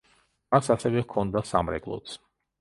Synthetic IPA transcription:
masasɛvɛkʰɔnd̪asa̰mɾɛ̰ɡlˠɔ̰t̪sʰ

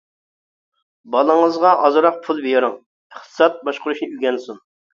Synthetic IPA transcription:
bɑlˠəŋəzʁɑʔɑzɨɾɑq̚pʰulˠbejɾʊŋ | əχt̪ʰɨ̥sɑt̪̚bɑʃqʊɾuʃnɨyɡʲɛnsun

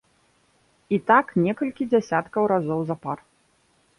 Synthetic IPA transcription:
it̪aknʲɛkɐlʲkʲid͡zʲasʲat̪kɐwɾazɔwzɐpar

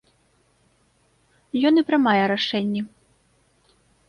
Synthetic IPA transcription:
jɔnipɾɨmajɛɾaʂɛnʲːɛ

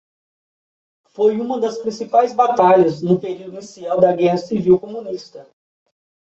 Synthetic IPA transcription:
fojũmɐd̪ɐspɾĩsipajzbat̪aʎɐznʊpeɾiwd̪ʊinisiawd̪ɐɡɛhɐsiviwkomũnist̪ɐ

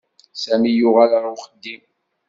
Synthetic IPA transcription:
sæmijʊʁælɾˤwχəd̪ːim

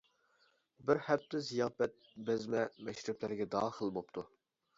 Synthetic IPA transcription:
bɪɾhɛp̚t̪ʰɪzijɑːpɛt̪̚bɪzmɛmɛʃɾɪblæɾɡʲɛd̪ɑːχəlˠbop̚t̪ʰu

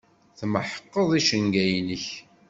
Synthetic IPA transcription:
θməħə̥qːəðˤiʃənɡæjnəç

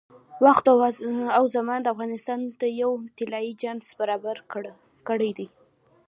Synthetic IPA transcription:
waxt̪awzamɑnd̪əafɣɑnɪst̪ɑnd̪əjawt̪ɪlɑjid͡ʒaɳzbaɾɑbaɾ | kəɽəjd̪aj

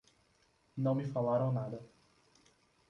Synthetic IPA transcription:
nɐ̃w̃mɪfalaɾɐ̃w̃nad̪ɐ

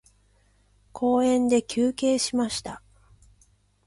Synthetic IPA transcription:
kʰo̞ːẽ̞nd̪e̞kʲɨːke̞ːɕimaɕi̥t̪a

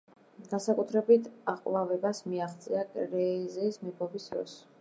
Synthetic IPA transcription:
ɡ̥ansakʼut̪ʰɾɛbit̪ʰaqʼlavɛbasmiaχt̪sʼiakʼɾɛizɛːsmɛpʰɔbisd̪ɾɔ̰s

